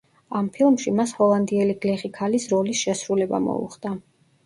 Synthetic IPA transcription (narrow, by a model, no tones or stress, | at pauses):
ampʰilˠmʃimashɔlˠand̪iɛliɡlɛχikʰalisɾɔlisʃɛsɾulɛba̰mɔ̰ṵχd̪̥a